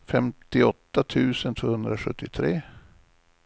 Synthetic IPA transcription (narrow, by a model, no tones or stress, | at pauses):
fɛmt̪ɪɔt̪ːat̪ʰʉ̟ːsənt̪ʰv̥oːhɵnd̪ɾaɧɵt̪ːɪt̪ʰɾeː